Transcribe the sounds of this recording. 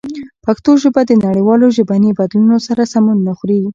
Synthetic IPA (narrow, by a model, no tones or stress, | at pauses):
pakt̪oʒəbad̪ənaɽəjwɑloʒəbanibad̪lunosaɾasamunːaxɾe